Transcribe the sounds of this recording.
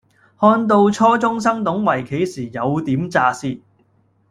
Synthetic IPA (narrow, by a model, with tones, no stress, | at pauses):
hɔː˧nt̪̬o˧wt͡ʃʰɔː˥t͡sʊ˥ŋs̬ɐ˥ŋt̪ʊ˨˥ŋwɐ˨˩jkʰe˨˥jsiː˨˩jɐ˨˧wt̪iː˨˥mt͡saː˧siː˧t̚